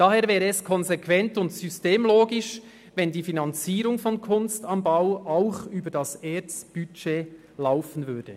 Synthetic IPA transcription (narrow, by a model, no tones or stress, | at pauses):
d̥aɦeːɾvɛːɾəːskʰɔnzekʰvɛntʊntsysteːmloːɡɪʃ | vɛndiːfinɑnt͡siːɾʊŋfɔnkʰʊnstɑnbaʊaʊxyːbədɑseːt͡sb̥yt͡ʃeː | laʊfən̩vʏɐd̥ə